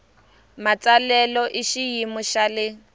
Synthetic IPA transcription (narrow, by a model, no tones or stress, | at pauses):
mat͡salɛlɔʔɪʃijimʊʃalɪ